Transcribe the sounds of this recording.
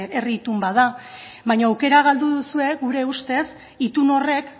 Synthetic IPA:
erit̪umbaða | βajɲaːwke̞ɾaɣ̞ald̪uðusue̞ɣuɾe̞ust̪e̞s | it̪uno̞re̞k

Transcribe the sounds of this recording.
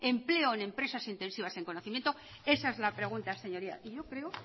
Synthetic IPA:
e̞mple̞oene̞mpɾe̞sasint̪e̞nsiβ̞ase̞ŋkonoθimjent̪o | e̞saezlapɾe̞ɣ̞unt̪ase̞ɲo̞ɾia̰ʔiʝo̞kɾe̞o

